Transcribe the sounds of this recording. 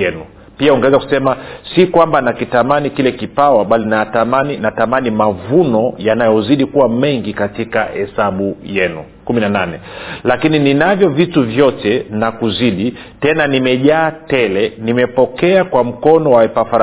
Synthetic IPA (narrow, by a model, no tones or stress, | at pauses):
ɛnu | piauŋɡɛɛzaku̥sɛmasikwambanakitamanikilɛkipawaɓalinaatamaninatamanimavunɔjanajɔziɗikuwamɛŋɡikatikahɛsaɓujɛnṵ | kuminananɛlakinininavjɔvituvjɔtɛnakuziɗi | tɛnanimɛʄaːtɛlɛnimɛpɔkɛakwam̩kɔnɔwaɛpafaɾ